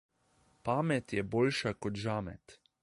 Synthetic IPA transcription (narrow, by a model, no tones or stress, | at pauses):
paːmɛt̪jɛboːlʃakɔt̪ʒaːmɛ̰t̪